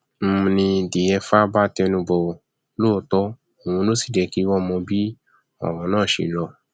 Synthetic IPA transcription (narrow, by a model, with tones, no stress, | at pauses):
m̩˦˧nĩ˧di˨ɛ˧fa˦ba˦tɛ˧nũ˧bɔ˧˨ | loː˦˨tɔ˦ | o˨w̃ũ˧no˦si̥˦˨dɛ˨˧˨ki˦wɔ˦mɔ̃˧bi˦ | ɔ̰˨w̃ɔ̃˨˦nãː˦˨ʃḛ˨˧˨lɔ˧˨